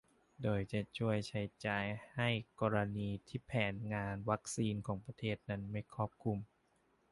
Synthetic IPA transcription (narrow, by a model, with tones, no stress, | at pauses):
doː˧jt͡ɕa˧˩t͡ɕʰu˥˩əjt͡ɕʰa˦˥jt͡ɕaː˧jha˥˩jkɔː˧ɾa˧niː˧t̪ʰiː˥˩pʰɛː˩˦nŋaː˧nwa˦˥k̚siː˧nkʰɔː˩˦ŋpɾa˧t̪ʰeː˥˩t̪̚na˦˥nma˥˩jkʰɔː˥˩p̚kʰu˧m